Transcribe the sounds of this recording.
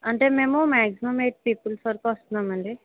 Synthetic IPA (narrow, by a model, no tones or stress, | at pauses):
ɐɳʈeːmeːmõmaːksimɐmeːʈ̚piːpulsɐɾkɔst̪unaːmɐɳɖi